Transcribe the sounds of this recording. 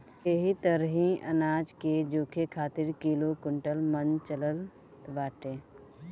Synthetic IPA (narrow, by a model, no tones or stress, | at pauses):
eɦit̪əɾɦĩʔɐ̰naːd͡ʒked͡ʒoːkʰekʰaːt̪ɪɾkiːlokʊɳʈəlmənt͡ʃələl | t̪ʋaːʈeː